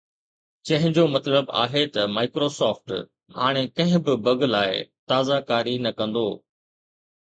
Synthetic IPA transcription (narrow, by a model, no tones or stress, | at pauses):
t͡ɕɐ̃ɦɪ̃ɲd͡ʑoːmɐt̪ləba̰ːɦet̪ɐmaːɪkɾosɔːfʈ | ɦaːɽ̃ekɐ̃ɦɪ̃bɪbɐɡlaːɪt̪aːzakaːɾinɐkɐ̃nd̪oː